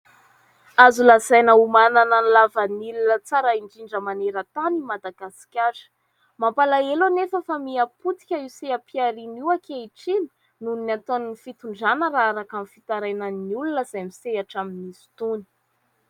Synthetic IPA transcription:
azulazajnəumananənlavənilunət͡saɾaiɳɖ͡ʐiɳɖ͡ʐəmaneɾət̪animad̪aɡasi̥kʲaɾə̥ | mampalaelanefəfamiaput̪i̥kʲəiseapʰiaɾiniwakʲeiʈ͡ʂini̥ | nuniat̪onnifit̪uɳɖ͡ʐanəɾaaɾakamifit̪aɾajnanniulunəz̥amiseaʈ͡ʂaminisu̥t̪uni̥

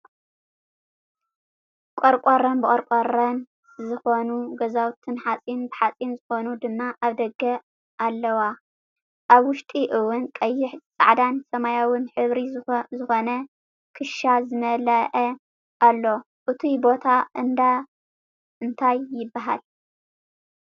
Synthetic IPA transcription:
kʼoɾkʼoɾɐnbɨkʼɐɾkʷʼorɐn | zɨxo̞nuɡɐzawt̪ʰɨnħat͡sʼinbɨħat͡sʼinzɨxo̞nud̪ɨmːaʔaβd̪ɐɡɐ | ʔalːɐwa | ʔaβwʊʃt̪ʼiʔɨwʊnkʼɐjːɪħzt͡sʼa̰ʕd̪ansɐmajawɨnħɨβɾizɨxo̞nɐ | kʰɨʃazɨmɐlɐʔɐ | ʔalːo̞ | ʔɨt̪ʰibo̞t̪ʰaʔɨnd̪a | ɨnt̪ʰajːɪbːaɦa̰l

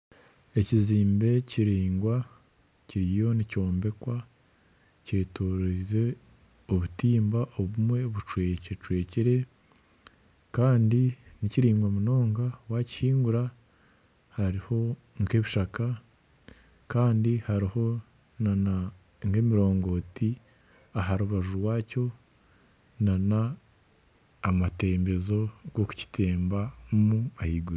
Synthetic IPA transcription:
e̞ciziːmbe̞ciɾiːŋɡwa | ciɾijo̞nico̞ːmbe̞kwa | ce̞ːtoːɾeɾe | oβutiːmbaʔoβumwe̞βut͡ʃwe̞ːcet͡ʃwe̞ːciɾe̞ | kaːndiniciɾiːŋɡwamuno̞ːŋɡawaci̥hiːŋɡuɾa | haɾiho̞ | ŋke̞βiʃaka | kaːndihaɾiho̞ | nana | ŋɡe̞ːmiɾo̞ːŋɡo̞ːti | aɦaɾuβaʒuɾwaːco̞ | nana | mate̞ːmbe̞zo̞ɡoku̥ci̥te̞ːmbamumahiːɡuɾ

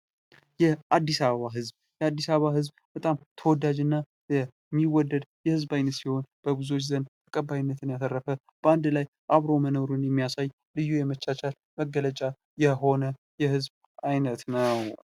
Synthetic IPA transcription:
jɛʔad̪ːisaβəβaɦɨzb | jɛad̪ːisaβəβahɨzbb̥ət̪ʼamt̪ʰəwɔd̪ad͡ʒɨnːa | jɛ | mːiwɔd̪ːəd̪jɛhɨzbajnət̪siho̞nb̥əβɨzuwo̞t͡ʃːzənd̪t̪ʰə̥kʼəbːajnːət̪ɨnjat̪ʰərːəfə | b̥əand̪laj | ʔaβɾo̞wmənoɾunjɛmːijasaj | lɨjːujɛmət͡ʃːat͡ʃal | məɡələt͡ʃʼa | jɛɦo̞nə | jɛhɨzb | ʔajnət̪nəw

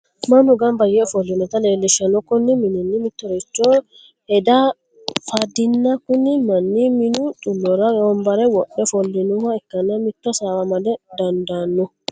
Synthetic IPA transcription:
mɐnʊɡɐnbɐjɛɔfɔlːɪnɛt̪ɐleːlːɪʃɐnɔkːɔnːɪmɪnɛnːɪmɪt̪ːɔɾɛt͡ʃːoː | hɛd̪a | fad̪ɪnːɐkːʊnːɪmɐnːɪmɪnʊt̪ʼʊlːɔɾɐjoːmbɐɾɛwɔɗːɛfɔlːɪnuhɐɛkːɐnːɐmɪt̪ːɔsaːwɐmɐd̪ɛd̪ɐnd̪aːnːʊ

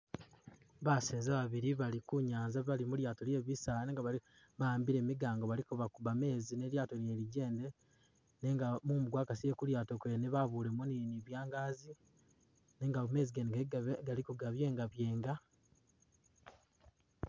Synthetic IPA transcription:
βaseːnzaβaβiɾiβalikuɲaːnzaβalimuljaːto̞lje̞βisalaneːŋɡaβa | βaːmbiɾe̞ːmiɡaːŋɡoβalikuβakuβame̞ːzine̞ljaːto̞lje̞ɾiɟe̞ːnde | ne̞ŋɡamumuɡwaːkasije̞kuljaːto̞kwe̞ːneβaβuːlemuniniβjaːŋɡaːzi | ne̞ŋɡame̞ːziɡeneɡalikuɡaβje̞ːŋɡaβje̞ːŋɡa

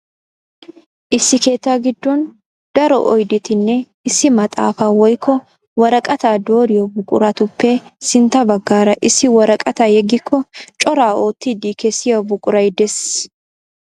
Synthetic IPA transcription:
ʔɪsːɪke̞ːt̪ːaːɡɪd̪ːɔn | d̪̥ɐɾɔʔɔjd̪ɪt̪ɪnːɛ | ɪsːɪmɐt̪ʼa̰ːfaːwɔjkːɔ | wɐɾɐkʼɐt̪aːd̪o̞ːɾɪjɔbʊkʼʊ̰ɾɐt̪ʊpʰːɛsɪnt̪ːɐbɐɡːaːɾɐʔɪsːɪwɐɾɐkʼɐt̪aːjɛɡɪkʰːɔt͡ʃʼɔɾaːo̞ːt̪ːɪd̪ikɛsːɪjobʊkʼʊɾɐjd̪ɛs

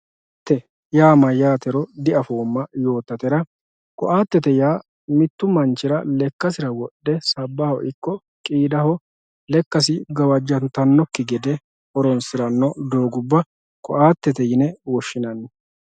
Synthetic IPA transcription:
ʔ | ɪt̪ːɛ | jaːmɐjaːt̪ɛɾɔd̪ɪɐfoːmːɐjo̞ːt̪ːɐt̪ɛɾɐ | kɔʔaːt̪ːɛt̪ɛjaː | mɪt̪ːʊmɐnt͡ʃːɪɾɐlɛkːɐsɪɾɐwɔɗːɛsɐbːɐhɔʔɪkːɔ | kʼiːd̪ɐhɔ | lɛkːɐs̬ɪɡɐwɐd͡ʒːɐnt̪ɐnːɔkːɪɡɛd̪ɛ | ʔɔɾɔnsɪɾɐnːɔd̪oːɡʊbːɐ | kɔ̰ʔaːt̪ːɛt̪ɛjɪnɛwɔʃːɪnɐnːɛ

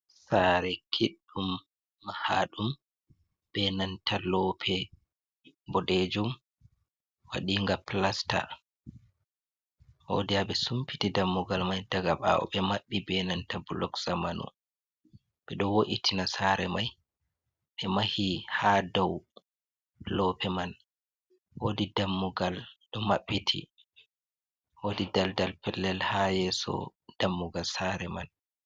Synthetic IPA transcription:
saːɾɛkʰiɗːumː | ahaɗum | b̥ɛnantalɔpʰɛ | bɔdɛd͡ʒum | wa̰ɗiːŋɡaplasta̰ | ho̰dijaɓɛsumpitidamːuɡalmajdaɡaɓa̰ɔ̰ɓɛmaɓːibɛnantabulɔksamanɔ̰ | ɓɛɗɔwoʔitʰinasaɾɛmaj | ɓɛmahihadɔw | lɔpʰɛman | hodidamːuɡalɗɔmaɓːitʰḭ | hodidaldalpɛlːɛlhajɛsɔ̰d̥amːuɡalsaɾɛman

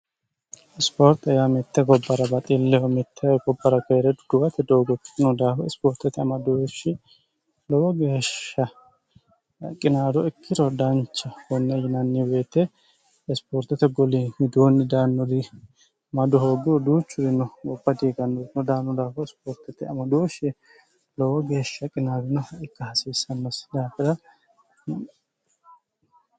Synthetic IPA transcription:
ɪspoːɾt̪ɛjamɛt̪ːɛɡɔbːɐɾɐbɐt̪ʼilːɛhɔmɛt̪ʰːɛɛɡɔbːɐɾɐkɛɾɛd̪ʊd̪̥ʊwɐt̪ɛd̪ɔwɡɔkʼːɪnɔd̪aːfɔɪspoːɾt̪ːɛt̪ɛɐmɐd̪ɔweʃɪ | lɔwɔɡeːʃːɐ | ɐkʼːɪnaːd̪ɔɛkʰːɪɾɔd̪ɐnt͡ʃːɐhɔnːɛjɪnɐnːɪweːt̪ːɛ | ɛspoːɾt̪ɛt̪ːɛɡɔlihɪd̪oːnːɪd̪aːnːɔd̪ɪ | mɐd̪ɔɦoːɡɪɾɔd̪uːt͡ʃːʊɾɪnːɔɡɔbːɐd̪iːɡɐnːɔɪnɔd̪aːnːɔd̪aːfɔɛspoːɾt̪ɛt̪ːɛɐmɐd̪oːʃɪ | lɔwɔɡeːʃːɐkʼɪnaːɾʊnɐɪkːɐhɐsiːsɐnːɐsd̪aːfɪdɐ

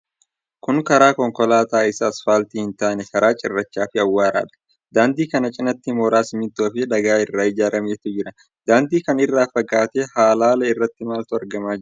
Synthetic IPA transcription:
kʊŋkɐɾaːkɔŋkɔlaːt̪aːɪsɐːsfaːlt̪ɪhɪnt̪ɐʔnɛkɐɾaːt͡ʃʼɪ̰rːɐt͡ʃːaːfɪɐwːaːɾa̰ːᶑɐ̥ | d̪aːnd̪iːkɐnɐt͡ʃʼɪnɐt̪ːɪmoːɾaːsɪmɪt̪oːfɪd̪ɐɡaːɪrːaːɪd͡ʒaːɾʔɐmeːt̪ʊd͡ʒɪɾɐ | d̪̥aːnd̪iːkɐnɪrːaːfɐɡaːt̪eːhaːlaːlɐɪrːɐt̪ːɪmaːlt̪ʊɐɾɡɐmaːd͡ʒɪ

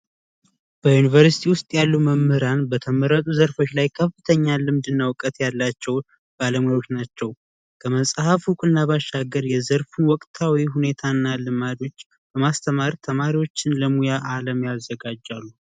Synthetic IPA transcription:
b̥əjunivəɾsi̥t̪ʰiwʊst̪ʼjalːuwməmːɨɾanbət̪ʰəməɾət̪ʼuzəɾfo̞t͡ʃːlajkʰəfːɨt̪ʰəɲːalɨmd̪ɨnːawkʼət̪jalːat͡ʃːɛw | b̥aləmjot͡ʃnat͡ʃːɛw | kʰəməsʼhəfhukʼɨnːaβaʃːaɡəɾjɛzəɾfuwɔkʼt̪ʰawiɦune̞t̪ʰanːalɨmad̪o̞t͡ʃː | b̥əmast̪ʰəmaɾt̪ʰəmaɾiwo̞t͡ʃːɪnləmujaʔaləmjazːəɡad͡ʒːalːu

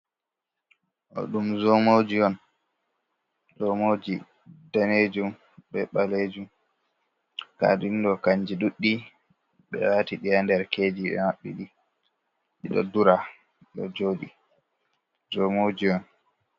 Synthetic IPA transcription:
ʔɔ̰ɗumzɔmod͡ʒiɔn | ɗɔmod͡ʒi | daned͡ʒum | ɓɛɓaled͡ʒum | ka̰dindɔkaɲd͡ʒiɗuɗːi | ɓɛ̰watiɗijandɛɾkeːd͡ʒiɓɛ̰maɓːḭɗi | ɗiɗɔ̰duɾa | ɗɔ̰d͡ʒoːɗi | zomod͡ʒiɔn

